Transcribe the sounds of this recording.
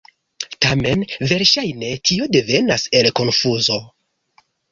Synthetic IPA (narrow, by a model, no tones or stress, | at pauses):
tame̞nve̞ɾʃajne̞tʰio̞de̞ve̞nase̞lko̞nfuzo̞